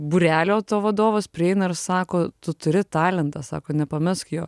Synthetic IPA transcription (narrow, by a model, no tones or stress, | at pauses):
buɾʲæːlʲoːt̪oːʋɐd̪oːʋɐspʲɾʲɪɛɪnɐɪɾsɑːkoːt̪ʊt̪ʊɾʲɪt̪ɑːlʲɛnt̪ɐsɑ̰ːkoːnʲɛpɐmʲɪskjoː